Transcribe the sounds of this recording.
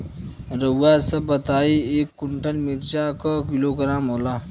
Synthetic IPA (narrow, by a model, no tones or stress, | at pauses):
ɾəwasəbət̪aiekːuɳʈʰəlmiɾt͡ɕakəkiloɡəɾamɦola